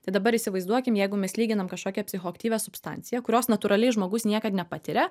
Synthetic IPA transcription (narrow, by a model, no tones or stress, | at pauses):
t̪ɐɪd̪ɐbɐɾɪsʲɪʋɐɪzd̪uɔkʲɪmjɛɪɡʊmʲɛslʲiːɡʲɪnɐmkɐʃkoːkʲɛpʲsʲɪxoːɐkt̪ʲiːʋʲɛsʊpst̪ɐ̰nʲt̪sʲɪjɛkʊɾʲoːsnɐt̪ʊɾɐlʲɛɪʒmoːɡʊsnʲiɛkɐt̪nʲɛpɑt̪ʲɪɾʲɛ